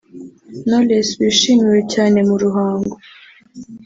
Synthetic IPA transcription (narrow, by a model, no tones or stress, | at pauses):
nolesβiʃimiwecaːne̞muɾuɦaːŋɡo